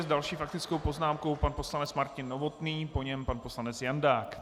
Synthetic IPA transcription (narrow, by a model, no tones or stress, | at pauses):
zdalʃiːfak̚t̪ɪt͡sko̞wpo̞znaːmko̞wpanpo̞slanɛt͡smaɾcɪnːovo̞t̪niːpo̞ɲɛmpanposlanɛt͡sjandaːk